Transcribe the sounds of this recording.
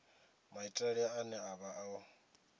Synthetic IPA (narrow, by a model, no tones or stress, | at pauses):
maitʼaɺiaanɛaβaʔaɔ